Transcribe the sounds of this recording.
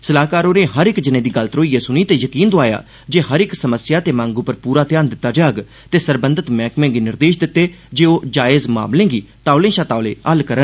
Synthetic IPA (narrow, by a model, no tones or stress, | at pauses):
səlaːkaːɾoːneːɦəɾɪkd͡ʒɪnẽːd̪iːɡəlt̪ɾoːiːeːsʊniːt̪eːjəkiːnd̪oaːja̰ː | d͡ʒeːɦəɾɪksəməsɪjaːt̪eːmãːŋɡuːpəɾpuːɾaːt̪jaːnd̪ɪt̪ːaːd͡ʒaːɡ | t̪eːsəɾbənd̪ət̪mɛ̃ːkmẽːɡiːnɪɾd̪eːʃd̪ɪt̪ːeːd͡ʒeːoːd͡ʒaːɪzma̰ːmlẽːɡiːt̪aːʊlẽːʃaːt̪aːʊlḛ̃ːəlkəɾən